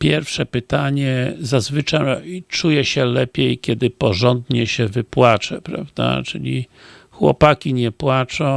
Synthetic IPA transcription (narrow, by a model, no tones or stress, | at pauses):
pʲjɛɾfʂɛpɘt̪aɲɛzazvɘt͡ʂajit͡ʂujɛɕɛlɛpʲjejkʲjɛd̪ɘpɔʐɔnd̪ɲɛɕɛvɘpwat͡ʂɛpɾa̰vd̪a̰t͡ʂɘlʲi | xwɔ̰pakʲiɲɛpwat͡ʂɔ̃